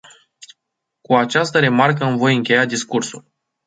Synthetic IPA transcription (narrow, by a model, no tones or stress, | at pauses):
kuat͡ʃast̪əɾe̞markəamvo̞jɨŋkʲe̞jad̪iskursul